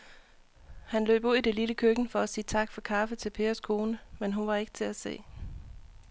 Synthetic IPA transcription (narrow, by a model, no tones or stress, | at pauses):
hænlø̰ːb̥uð̰ˠid̥e̝liləkʰøɡ̥n̩fɒ̽æsiːt͡sʰɑ̈ɡ̥fɒ̽kʰɑ̈fət͡sʰe̝lpʰe̝ːɐskʰo̝ːnəmenɦunʋɑ̈e̝ɡ̥ə̥t͡sʰe̝læse̝̰ː